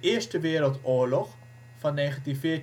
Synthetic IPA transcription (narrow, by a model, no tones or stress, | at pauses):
ʔɪəstəʋɪəɾəlˠtoəlɔx | fɔnːeːɣəntifɪə